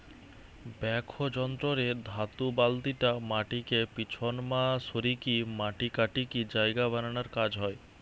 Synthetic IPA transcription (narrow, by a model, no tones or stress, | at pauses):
bɛkʰod͡ʑɔnt̪ɾoɾed̪ʱat̪ubald̪iʈamaʈikepit͡ɕʰonmasoɾikimaʈikaʈikid͡ʑaeɡabananaɾkad͡ʑɦɔe